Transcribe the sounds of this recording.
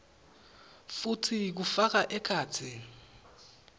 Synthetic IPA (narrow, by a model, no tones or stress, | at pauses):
futʰik̬ufak̬aʔɛkʰaːtʰi